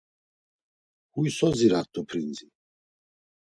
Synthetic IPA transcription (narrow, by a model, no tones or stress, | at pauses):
huisɔziɾat̪ʰʼːɔpʰɾind͡zi